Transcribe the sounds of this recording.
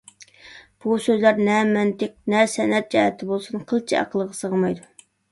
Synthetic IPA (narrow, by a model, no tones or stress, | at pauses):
b̥usøzlæɾnɛmɛnt̪ʰɪq̚nɛsɛnɛt̪̚d͡ʒɑhɛt̪ʰːɪbolˠsunqʰəlˠt͡ʃʰiɑ̰qʰəlˠəʁɑsəʁmɑjd̪u